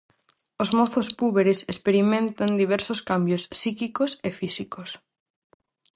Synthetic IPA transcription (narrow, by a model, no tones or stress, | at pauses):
ozmɔθospuβeɾesespeɾimẽnt̪and̪iβ̞ɛɾsoskambjosːikikosefisikos